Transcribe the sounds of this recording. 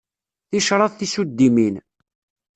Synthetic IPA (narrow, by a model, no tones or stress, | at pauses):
θiʃɾˤɑðθisud̪ːimin